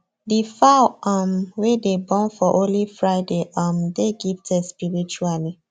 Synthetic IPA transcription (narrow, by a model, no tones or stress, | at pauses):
difaʊamwedebɔ̃nfɔʔõlifɹaɪdeʔamdeɡiftɛspiɹit͡ʃuali